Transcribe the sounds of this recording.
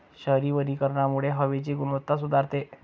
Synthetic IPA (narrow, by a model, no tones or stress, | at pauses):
ɕəɦɾiʋənikəɾɳamuɭeɦəʋet͡ɕiɡuɽʋət̪ːasud̪ʱaɾt̪e